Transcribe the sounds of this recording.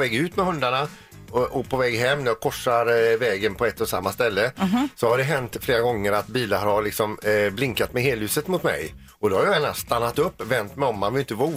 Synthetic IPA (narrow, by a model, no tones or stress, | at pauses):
vɛːɡʉ̟ːt̪mɛhɵnd̪aɳa | ʔɔpʰɔvɛːɡɦɛmːnæɾjɑkʰɔʂːaɾvɛːɡənpʰɔɛt̪ːɔsa̰mːast̪ɛlːəsɔhad̪ɛɦɛnt̪fleːɾaɡɔŋːəɾat̪biːlaɾalɪksɔmblɪŋkat̪mɛɦeːlʉːsət̪mʊt̪mɛ̰j | ɔd̪ɔhaɾjaɛːna̰st̪anːat̪ɵpːvɛnt̪mɛjɔmːanvɪlɪnt̪əvu